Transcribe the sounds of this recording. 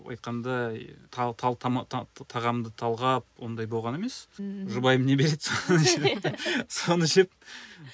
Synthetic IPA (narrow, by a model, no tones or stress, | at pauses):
wɑ̰jt̪̚qɑnd̪ɑɑt̪ʰɑt̪ʰɑmt̪ʰɑʁɑmd̪ət̪ʰɑlˠʁɑp̚wo̞nd̪ɑjboʁɑne̞me̞sʒʊbɑjəmne̞be̞ɾe̞d̪soeso̞nəʃep̚